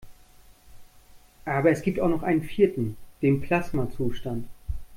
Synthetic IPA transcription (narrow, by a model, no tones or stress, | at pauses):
ʔaːbɐɛsɡ̥iːptaʊxnɔχʔaɪnənfiːɐtn̩d̥eːnpʰl̥asmat͡suːʃtant